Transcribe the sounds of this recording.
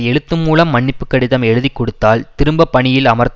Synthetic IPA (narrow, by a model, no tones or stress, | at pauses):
ɛɻɯt̪ːɯmːuːlɐmːɐɳːɪpːɯkːɐɽɪðɐmɛɻɯðikːɔɽɯt̪ːaːlt̪ɪɾɯmbɐpːɐɳɪjɪlɐmɐɾt̪